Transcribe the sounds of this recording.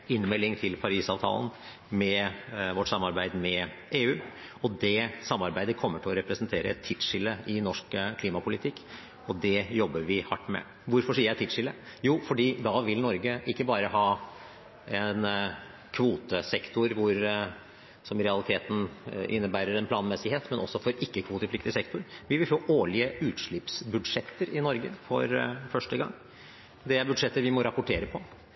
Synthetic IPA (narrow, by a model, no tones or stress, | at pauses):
ɪnːmɛlːɪŋt̪ʰɪlpʰɑɾiːsɑːʋt̪ʰɑ̰ːlən̩ | mɛʋɔʈːsɑmːɑɾbæɪd̪mɛ | ʔeːʉːɔd̪ɛsɑmːɑɾbæɪd̪əkʰɔmːəʈʰɪlɔɾɛpɾəsnt̪ʰeːɾəɛt̪ʰːɪt̪ʂɪlːəʔɪnɔʂkkʰliːmɑpʰʊlɪt̪ʰɪkː | ɔd̪ɛjɔbːəɾʋɪhɑʈːmɛ̰ | ʋʊɾfɔʂiːəɾæt̪ːɪt̪ʂɪlːəjuːfɔɖiːd̪ɑːʋɪlnɔɾɡəʔɪkːəbɑːɾəɦɑː | ɛn | kʰʋuːt̪əsɛkt̪ʊɾʋʊɾ | sɔmɾɛɑlɪt̪ʰeːt̪n̩ʔɪ̰nːəbæːɾəɾɛnpʰlɑːnmɛsɪheːt̪mɛnɔ̰sːɔfɔɾɪkːəkʰʋuːt̪əflɪk̚t̪ɪsɛkt̪ʊɾʋɪʋɪlfoːʔoːɭɪəʉːt̪ʂɭɪpsbʉd̪ʂɛt̪ːəɾɪnɔɾɡə̰fɔ̰ɾfœʂʈəɡɑ̰ŋː | d̪ɛæbʉd̪ʂɛt̪ːəɾʋɪmɔɾɑpʊʈʰeːɾəpʰɔ